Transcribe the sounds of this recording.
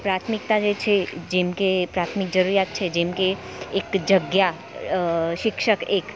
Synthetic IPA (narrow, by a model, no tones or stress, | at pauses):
pɾat̪ʰmɪk̚t̪ad͡ʒet͡ʃʰed͡ʒemkepɾat̪ʰmɪk̚d͡ʒəɾuɾijat̪̚t͡ʃʰed͡ʒemkeː | kd͡ʒəɡja | ʃɪkʃəkek